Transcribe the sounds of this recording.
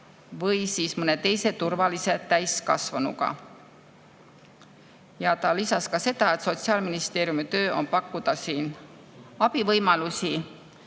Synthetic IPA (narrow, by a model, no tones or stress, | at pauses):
vɤjsiːsmɤne̞t̪e̞jse̞t̪urvɑlise̞t̪æjskɑ̰svɑnṵɡ̥ɑ̰ | jɑt̪ɑlisɑskɑse̞d̪̥ɑe̞t̪so̞t̪siɑːlminist̪e̞ːɾjumit̪ø̞ːʔo̞̰npɑkːud̪ɑsiːn | ɑb̥ivɤjmɑlusʲi